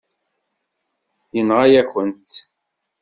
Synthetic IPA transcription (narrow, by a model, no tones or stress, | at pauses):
jənʁajæçənt̪